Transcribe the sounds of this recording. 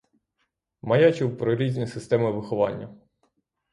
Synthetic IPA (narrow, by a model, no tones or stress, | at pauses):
mɐjɑt͡ʃɪwpɾɔɾʲizʲnʲisɪst̪ɛmɪʋɪxɔʋɑ̰nʲːɐ